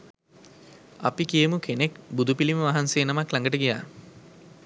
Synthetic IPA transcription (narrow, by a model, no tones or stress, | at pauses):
apikijəmukʰenekbud̪upiliməʋaɦanseːnamaklaŋɡəʈəɡija̰ː